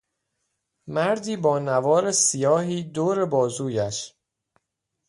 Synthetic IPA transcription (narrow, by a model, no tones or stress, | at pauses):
mæɾd̪iːbɒːnævɒːɾesijɒːɦiːd̪oːɾe̞bɒːzuːjæʃ